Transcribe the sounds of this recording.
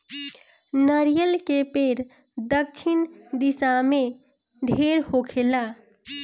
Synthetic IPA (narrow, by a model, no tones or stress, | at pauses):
nəɾijəlkepeɾ | d̪əkt͡ʃʰind̪isame | ɖʱeɾhokʰela